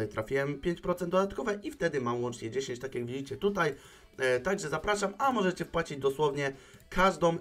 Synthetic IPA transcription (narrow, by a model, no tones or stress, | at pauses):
ajt̪ɾafʲiwɛmpʲjeɲt͡ɕpɾɔt̪sɛnd̪d̪ɔd̪at̪kɔvɛʔift̪ɛd̪ɘmamwɔnt͡ʂɲɛd͡ʑeɕeɲt͡ɕt̪akʲjaɡvʲid͡ʑit͡ɕɛt̪ut̪aj | t̪aɡʐɛzapɾaʂamamɔʐɛt͡ɕɛfpwat͡ɕid͡ʑd̪ɔswɔvɲɛkʰaʐd̪ɔ̃m